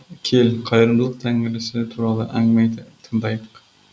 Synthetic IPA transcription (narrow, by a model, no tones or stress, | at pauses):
kʲʰe̞lqʰɑjɾɨmd̪lˠəqt̪ʰæŋɪlɪsɪt̪ʰuɾɑlˠəʔæŋmæjt̪ʰəŋd̪ɑjq